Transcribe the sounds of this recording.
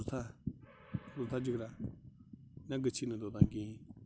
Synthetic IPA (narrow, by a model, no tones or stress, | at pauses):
t̪ʰa | d̪ot̪ʰad͡ʒəkɾa | naɡət͡ʃʰinəd̪ot̪ãŋkĩ